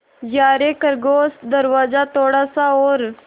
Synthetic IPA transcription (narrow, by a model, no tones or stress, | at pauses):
jaːɾekəɾɡoːsd̪əɾʋaːzat̪oːɽasaoːɾ